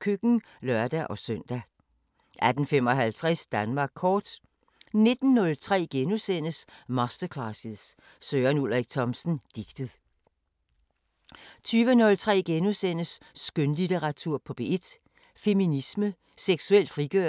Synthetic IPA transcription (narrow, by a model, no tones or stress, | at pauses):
kʰøɡ̥ŋ̩ | lœɐ̰d̥æʔɒ̽søn̰d̥æ | ʔæd̥n̩fem̰ɒ̽ɦælt͡sʰʁɛsd̥ænmɑ̈ːɡ̥̚kʰɒːd̥ | ne̝d̥n̩ːɔ̽lt͡sʰʁɛ̰ːɡ̥enusen̰əsmɑ̈sd̥ɐkʰlɑsiðˠs | søːɐnul̰ʁɛɡ̥̚t͡sʰɒ̽msn̩d̥iɡ̥d̥əð̩ˠ | t͡sʰyːʋənɔ̽lt͡sʰʁɛ̰ːɡ̥enusen̰əsːɡ̥ønlideʁɑ̈t͡sʰuɐ̰pʰɒ̽b̥e̝e̝d̥ | fe̝minismə | seɡ̥suel̰d̥fʁiɡ̥ø